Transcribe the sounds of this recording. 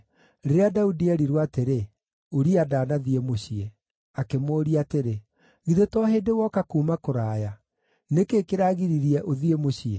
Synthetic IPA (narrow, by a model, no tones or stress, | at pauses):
ɾeɾeadaudiɛɾiɾwateɾe | oɾiadaːnaðiemoɕie | akemoːɾiateɾe | ɣiðetɔɦeːdewɔkakuːmakoɾaːja | nekeːkeɾaɣiɾiɾiɛʔoðiemoɕie